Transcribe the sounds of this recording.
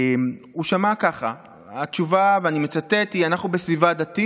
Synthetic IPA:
m | uʃamakaχa̰ | at͡ʃuvaveanime̞t͡satet̪ianaχnubesvivad̪at̪i

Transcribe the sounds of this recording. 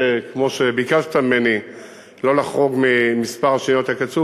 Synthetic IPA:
kmo̞ʃebikavt̪ammeni | lo̞laχoɡmimispaʁaʃiniot̪akat͡su

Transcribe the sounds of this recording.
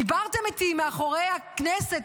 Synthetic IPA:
ibaʁt̪emit̪imeaχoʁejhakneset

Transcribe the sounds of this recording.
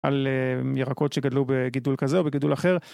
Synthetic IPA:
ʔa̰lejeʁako̞tʃeɡadlubeɡidulkazeobeɡidulaχeʁ

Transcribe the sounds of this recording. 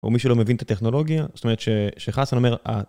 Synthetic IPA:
o̰miʃulo̞me̞vint̪at̪eχno̞lo̞ɡjazot̪ome̞ʁet̪ʃeʃeχasanomeʁa̰

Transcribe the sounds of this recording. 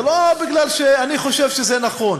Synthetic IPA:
lobiɡlalʃeaniχo̞ʃevʃezɛnaχo̞n

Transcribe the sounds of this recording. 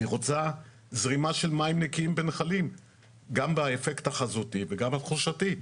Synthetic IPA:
iʁot͡sa | zʁimaʃe̞lmaimnekiimbenχalim | ɡambaefektaχazutiveɡambat̪χuʃati

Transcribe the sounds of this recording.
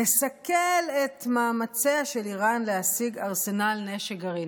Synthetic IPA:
esakelet̪maːmat͡seaʃeliʁanlehasiɡaʁse̞nalneʃeɡaʁi

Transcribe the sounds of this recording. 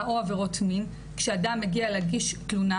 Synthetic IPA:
ʔoaveʁotʰmin | kʃeadamːeɡialeɡiʃtluna

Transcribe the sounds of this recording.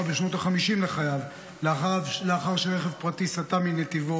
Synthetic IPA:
beʃno̞t̪aχamiʃimleχajav | leaavleaχaʁʃeʁeχe̞vpʁat̪isat̪aminet̪ivo

